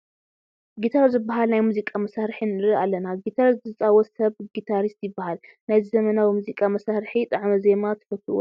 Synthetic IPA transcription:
ɡit̪ʰaɾzɨbːaɦalnajmuzikʼamɐsaɾħinɨɾɨalːɐnaɡit̪ʰaɾist̪zɨt͡sʼawɔt̪sɐβɡit̪ʰaɾist̪jɪbːahal | najzizɐmɐnawimuzikʼamɐsaɾħit̪ʼɐʕmɐze̞mat̪ʰɐ̥fɐt̪ːɨṵ

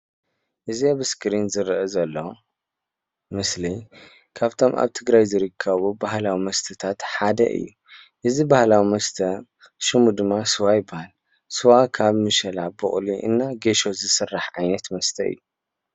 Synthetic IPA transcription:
ʔɨziaβɨskʰɾinzɨɾʔɐzɐlːo | mɨsli | kʰaβt̪ʰo̞mʔa̰βt̪ʰɨɡɾajzɨɾɨkʰːɐβubaɦlawimɐst̪ʰɨt̪ʰat̪ħad̪ɐ̰ʔɨ̰jːu | ʔɨzibahlawimɐst̪ʰɐ | ʃɨmud̪ɨmːasɨwajɪbahal | sɨwakʰaβmɨʃɐlabɨχʼliʔɨ̰nːaɡeʃo̞zɨsɨrːaħʕajnɐt̪mɐst̪ʰɐʔɨ̰jːu

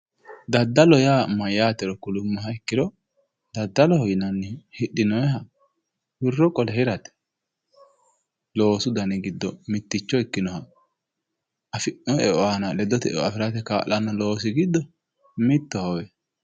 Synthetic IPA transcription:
d̪ɐd̪ːɐlɔjaːmɐjaːt̪ɛɾɔkʊlʊmːɔɦɐɪkːɪd̪ɔ | d̪ɐd̪ːɐlɔhɔjɪnɐnːɪhɪɗːɪnɔjɛɦɐ | wɪrːɔkʼɔlɛhɪɾɐt̪ɛ̥ | lo̞ːsʊd̪ɐnɛɡɪd̪ːɔmɪt̪ːɪt͡ʃːɔɪkːɪnɔhɐ | ɐfɔɛɔanɐlɛd̪ːɔt̪ɛ̰ɔ̰ɐfɪɾat̪ɛka̰ːlɐnɐlo̞ːsɪɡɪd̪ːɔ | mɪt̪ːɔhɔwɛ

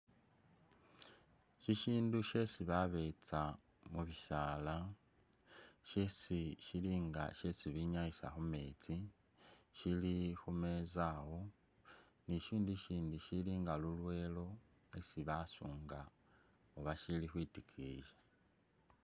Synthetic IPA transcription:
ʃiʃiːnduʃe̞siβaβe̞t͡sa | muβiʃala | ʃesiʃiliːŋɡa̰ʃesiβiɲaisa̰xumeːt͡si | ʃilixume̞zaho̞ | niʃiːndiʃiːndiʃiliŋɡalulwe̞ːlo̞ | e̞siβasuːŋɡa | oβaʃilixwitikʰiːʒḁ

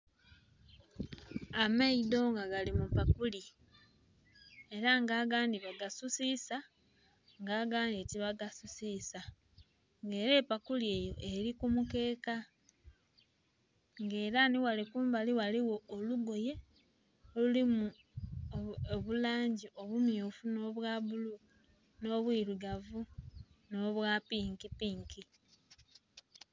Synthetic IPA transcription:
amaido̞ŋɡaɡalimupakuli | e̞ɾaŋɡaːɡaːndiβaɡasusisa | ŋɡaːɡaːndieciβaɡasusisa | ŋɡe̞ːɾe̞ːpakulie̞ːjo̞ʔe̞ɾikumuke̞ːka | ŋɡe̞ːɾaniwalikuːmbaliwaliwo̞ːluɡo̞je̞ | olulimu | oβulaːɲɟiʔo̞βumjoːfuno̞βwaβulu | no̞βwiːɾuɡavuno̞βwapiːŋkipiːŋki

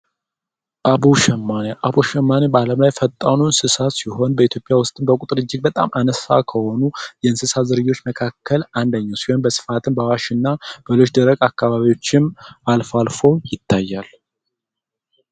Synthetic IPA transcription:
ʔabuʃɛmːaneʔaβuʃɛmːanebaləmlajfət̪ʼːanunsɨsat̪siɦo̞nbəit̪ʰjo̞pʼjawʊst̪ʼɨnbəkʼut̪ʼɾɨd͡ʒːɪk̚bət̪ʼa̰manəsa̰kʰəho̞nujɛɨnsɨsazɨɾɨjːo̞t͡ʃːməkʰakʰːəland̪əɲːawsihombəsɨ̥fat̪ʰɨnbəawaʃɨnːab̥əlo̞t͡ʃd̪əɾəɡʼakːaβaβiwo̞t͡ʃːɪmalfalfo̞jɪt̪ʰːajːal

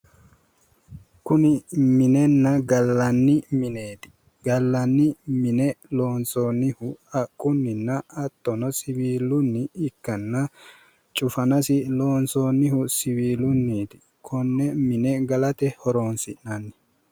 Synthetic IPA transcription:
kʊnɪmɪnɛnːɐɡɐlːɐnːɪmɪneːt̪ɪ̥ | ɡɐlːɐnːɪmɪnɛloːnsoːnːɪhʊɐkʼːʊnːɪnːɐɐt̪ːɔnɔsɪbiːlːʊnːɪːkːɐnːɐ | t͡ʃʼʊfɐnɐsɪlo̞ːnsoːnːɪhʊsɪwiːlʊnːiːt̪ɪ̥ | kʰɔnːɛmɪnɛɡɐlɐt̪ɛhɔɾoːnsɪʔnɐnːɪ̥

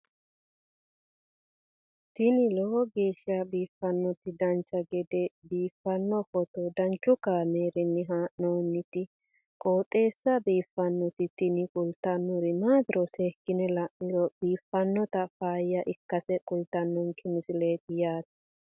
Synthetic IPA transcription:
t̪ɪnɪlɔɔɡeːʃɪɐbiːfːɐnːɔt̪ɪd̪ɐnt͡ʃːɐɡɛɡd̪ɛbiːfːɐnːɔfɔt̪ɔd̪ɐnt͡ʃːʊkaːmeːɾɪnːɪɦaːʔnɔwnːɪt̪ɪ | kʼoːt̪ʼe̞ːsːɐbiːfːɐnːɔt̪ɪt̪ɪnɪkʼʊlt̪ːɐnːʊɾɪnaːd̪ɪɾʔɔseːkːɪnɛlɐʔːɪɾɔb̥iːfːɐnːɔt̪ɐfaːjɐʔɪkːɐsɛkʼʊlt̪ɐnːɔnkʰɪmɪsɪleːt̪ɪjaːt̪ɪ̥

